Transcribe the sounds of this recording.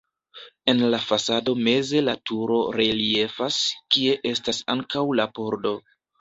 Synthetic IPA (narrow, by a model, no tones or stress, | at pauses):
e̞nlafasado̞me̞ze̞latuɾo̞ɾelie̞faskie̞ʔe̞stasa̰ŋkawlapo̞ɾdo̞